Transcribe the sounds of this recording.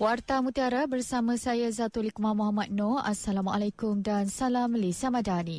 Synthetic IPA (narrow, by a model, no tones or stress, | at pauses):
wart̪amũt̪iaɾabərsamə̃sajazat̪ulikumamɔɦamat̪̚nõasalama̰lakumdansalamːəlesiamãdani